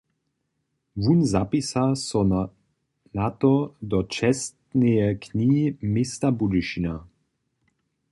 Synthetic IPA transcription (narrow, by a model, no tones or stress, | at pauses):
vunzapisasɔn | nat̪ɔd̪ɔt͡ʃɛst̪nejɛkʰniːmɪst̪abud̪iʃina